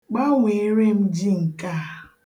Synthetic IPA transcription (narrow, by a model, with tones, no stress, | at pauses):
k͡pa˦ŋʷe˨˦ɾe˦m̩˦d͡ʒi˦ŋ̩˨ka˦˨